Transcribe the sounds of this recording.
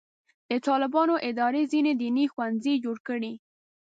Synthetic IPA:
d̪̥ət̪ɑlɪbɑnoʔɪd̪ɑɾezined̪inixwanzid͡ʒoɽkəɽi

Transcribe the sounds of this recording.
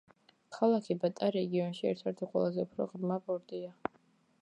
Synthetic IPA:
kʰalˠakʰibat̪ʼaɾɛɡiɔnʃiɛ̰ɾt̪ʰɛɾt̪ʰiqʼwɛ̰lˠazɛupʰɾɔ̰ʁɾmabɔɾd̪ʼia

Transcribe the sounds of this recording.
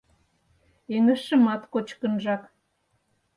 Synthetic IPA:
eŋə̆ʃə̆mɑt̪kot͡ɕkə̆nʒɑk

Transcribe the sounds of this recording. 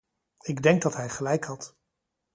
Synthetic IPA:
ɪɡdɛŋɡ̚dɑtɦɛjχəlɛjkhɑt

